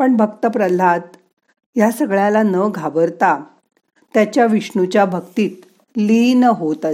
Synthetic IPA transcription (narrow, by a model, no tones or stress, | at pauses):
pəɳbʱəkt̪əpɾəlat̪ | jasəɡɭjalanəɡʱabəɾt̪a | t̪jat͡ɕjaʋiʂɳut͡ɕjabʱəkt̪iːt̪̚ | linəɦot̪ə